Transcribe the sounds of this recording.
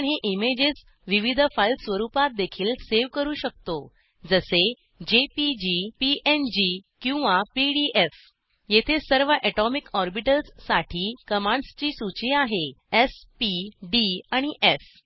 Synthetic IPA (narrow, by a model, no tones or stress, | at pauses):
ɳɦeʔimed͡ʑet͡s | ʋiʋid̪ʱəfajlsʋəɾupat̪̚d̪ekʰiːlseʋkəɾuːɕək̚t̪o | d͡zəse | d͡ʑepid͡ʑipiend͡ʑikĩw̃ʋapiɖiʔef | jet̪ʰesəɾʋəʔɛʈɔmikɔɾbiʈəlsːaʈʰiːkəmãɳɖst͡ɕiːsut͡ɕiaɦeespiɖiaɽ̃iʔef